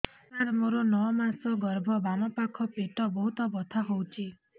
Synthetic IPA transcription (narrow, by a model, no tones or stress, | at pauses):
t̪aɾmoɾonɔmasɔɡɔɾbʱɔbanɔpakʰɔpeʈɔbɔɦut̪ɔbɔt̪ʰaɦowt͡ʃʰi